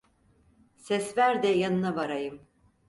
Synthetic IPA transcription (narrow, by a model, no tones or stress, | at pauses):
sɛsvæɾd̪ɛjanɯnavaɾajɯm